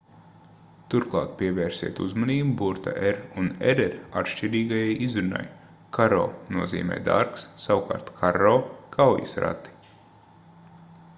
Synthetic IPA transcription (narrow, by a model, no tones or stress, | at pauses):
t̪uɾklˠɑ̰ːt̪̚pʲiɛvɛːɾsʲiɛt̪uzmɔniːbubuɾt̪a̰ʔɛɾunɛɾɛɾat̪ʃciɾiːɡajajizɾuna̰j | kʰaɾo̰ːnuɔzḭːmɛ̰ːd̪a̰ɾksːawka̰ːɾt̪kʰaɾoːkʰawjḭsɾa̰t̪ːi̥